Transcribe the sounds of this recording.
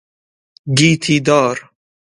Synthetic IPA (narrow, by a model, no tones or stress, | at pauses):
ɡiːt̪ʰiːd̪ɔːɾ